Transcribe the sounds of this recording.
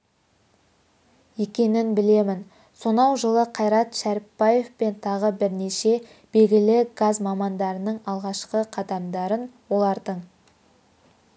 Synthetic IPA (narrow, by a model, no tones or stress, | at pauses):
je̞kʲe̞nɪnbɪle̞mɪn | so̞nɑwʒəlˠəqʰɑjɾɑt̪ʃæɾɪpːɑje̞fpe̞nt̪ʰɑʁəbɪɾneʃe̞ | b̥e̞lɡʲɪlɪɡazmɑmɑnd̪ɑɾənəɴɑlˠʁɑʃqəqʰɑd̪ɑmd̪ɑɾənwo̞lˠɑɾd̪əɴ